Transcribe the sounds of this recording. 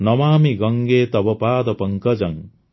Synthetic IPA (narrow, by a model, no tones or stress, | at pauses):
nʌmaːmiɡʌŋɡeːt̪ɐbɐpaːd̪ɐpɐŋkɐd͡ʒɐŋ